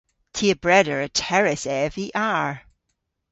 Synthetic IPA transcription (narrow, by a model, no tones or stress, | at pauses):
tʰiəbɹɛɾə˞ətʰɛɹɪsɛviʔaɹ